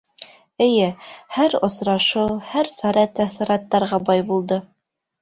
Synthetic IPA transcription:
ɘ̆jɘhæɾŏsɾɑʃɤwhæɾsɑɾɑt̪æθĭɾɑt̪ːɑɾʁɑbɑjbulˠd̪ɤ

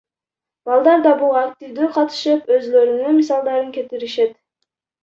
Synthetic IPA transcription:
b̥ɑlˠd̪ɑɾd̪ɑbulˠakt̪ʲivd̪yːqʰɑt̪ɯ̥ʃɯpø̞zlø̞ɾynymisɑlˠd̪ɑɾɯŋkʲe̞t̪iɾiʃet̪

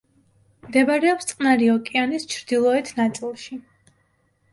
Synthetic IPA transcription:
md̪ɛbaɾɛɔpst̪sʼqʼnaɾiɔkʼianist͡ʃʰɾd̪ilˠɔɛt̪ʰnat̪sʼilˠʃi

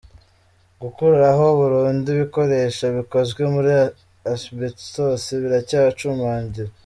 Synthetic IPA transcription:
ɡukuɾuɾaɦo̞βuɾuːndiβiko̞ɾe̞ʃaβiko̞zɡwe̞muɾi | asbittosiβiɾacaːwat͡ʃumaːɲɟiɾa

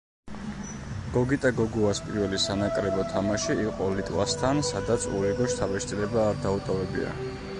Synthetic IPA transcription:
ɡ̥ɔɡit̪ʼaɡɔɡuaspʼiɾvɛlisanakʼɾɛbɔt̪ʰamaʃiiqʼɔlit̪ʼwast̪ʰansad̪at̪sʰṵliɡɔʃt̪ʰabɛʃt̪ʰʼilɛbaːɾd̪aut̪ʼɔvɛbḭa̰

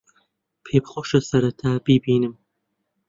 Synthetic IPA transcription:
pʰeːbχoːʃɐsɐɾɐt̪ʰaːbibiːnɨm

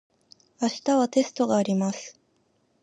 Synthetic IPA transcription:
aɕi̥t̪aβat̪e̞sɨ̥t̪o̞ɡaːɾʲimasɨ̥

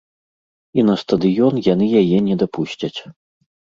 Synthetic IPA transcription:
inɐst̪ɐd̪ɨjɔnjanɨjajɛnʲɛd̪apuɕʲt͡sʲɐt͡sʲ

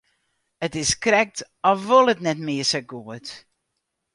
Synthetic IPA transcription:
ətɪskrɛk̚t | ɔfʋolˠətnɛtmɪəsəɡuət

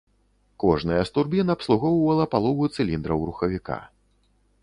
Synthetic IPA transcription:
kɔʐnɨjɐst̪urbʲinɐːpslˠuɣɔwwɐlˠɐpalˠɔvujut̪sɨlʲind̪ɾɐwɾuxɐvʲika̰

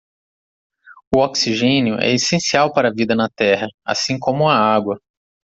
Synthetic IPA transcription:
ʊɔksiʒẽnjʊʔɛ̰esẽsiawpaɾɐvid̪ɐnɐt̪ɛɦɐa̰sĩkõmʊɐaɡwɐ

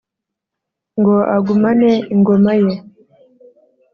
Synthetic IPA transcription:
ŋɡo̞ʔaɡumaneiŋɡomaje

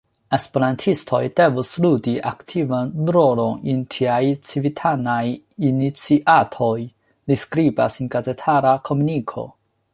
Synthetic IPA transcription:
e̞speɾantʰistʰo̞̰jde̞vusludiʔa̰ktʰivandɾoɾonintʰiajt͡sivitʰanaj | init͡siʔatʰo̞j | liskɾiba̰sinɡazetʰaɾakʰo̞munikʰo̞̰

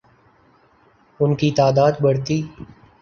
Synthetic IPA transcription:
ʊnkit̪aːd̪aːd̪bɐɽt̪iː

